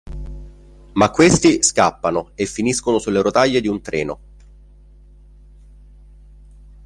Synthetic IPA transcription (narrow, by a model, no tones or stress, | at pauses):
makːwest̪iskapːanoefːiniskonosulːeɾot̪aʎːed̪iunt̪ɾʔɛːno